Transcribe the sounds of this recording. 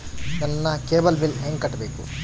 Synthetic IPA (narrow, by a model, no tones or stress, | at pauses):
nɐnːɐkeːbɐlbilɦeŋɡkɐʈːɐbeːkṵ